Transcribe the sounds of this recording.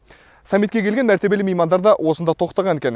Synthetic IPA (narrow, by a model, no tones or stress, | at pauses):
sɑmːit̪̚kʲe̞kʲe̞lɡʲenmæɾt̪e̞be̞lɪmejmɑnd̪ɑɾd̪ɑwʔosənd̪ɑt̪ʰo̞qt̪ɑʁɑne̞kʲenɪ